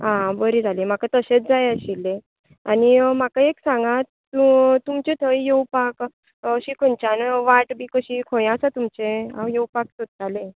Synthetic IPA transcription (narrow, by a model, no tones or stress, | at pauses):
ɦãbəɾid͡zʱalẽm̤akat̪əɕet͡sd͡zajəɕile | anim̤akaeksãŋɡat̪ | ut̪umt͡ɕẽt̪ʰəjjowpak | əɕiːkʰont͡ɕanʋaʈbiːkəɕikʰõjasat̪umt͡ɕẽã̰wjowpak̚sot̪̚talẽ